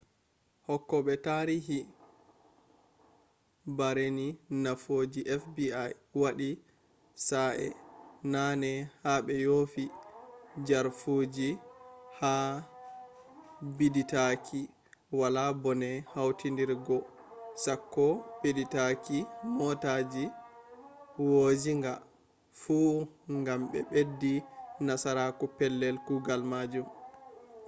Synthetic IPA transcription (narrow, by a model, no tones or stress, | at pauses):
hɔkːɔɓɛtaɾiɦi | baɾeninafoːd͡ʒiʔɛfbiajwaɗi | saʔɛ̰nanɛhaɓɛjoːfi | d͡ʒaɾfod͡ʒiha | biditakʰi | walabɔnɛhawtindiɾɡɔ | sakːɔbeditakimɔtad͡ʒi | wod͡ʒiŋɡa | fuŋɡamɓɛ̰ɓedːinasaɾakupɛlːɛlkuɡalmad͡ʒum